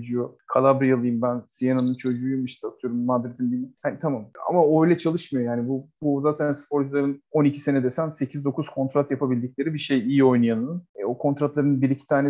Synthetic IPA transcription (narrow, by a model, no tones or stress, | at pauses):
d͡ʒijo̞kʰalˠabɾijalˠɯjɯmbænsijenanɯnt͡ʃʰo̞d͡ʒuːjmɯʃt̪ʰat̪ʰɯjo̞ɾumːad̪ɾet̪ʰimd̪imihanit̪ʰamama̰maojlʲɛt͡ʃʰalˠɯʃmɯjojaːnibubuzaːt̪ʰænsɨ̥pʰo̞ɾd͡ʒulˠaɾɯno̞nicʰi̥se̞nɛd̪ɛsænse̞cʰizd̪o̞kuzkʰo̞nt̪ɾat̪japʰabilʲd̪ic̚ʲlʲe̞ɾibiʃejijio̞jnajanɯnɛo̞kʰo̞nt̪ɾat̪lˠaɾɯnbiɾicʰi̥t̪ʰaːnɛ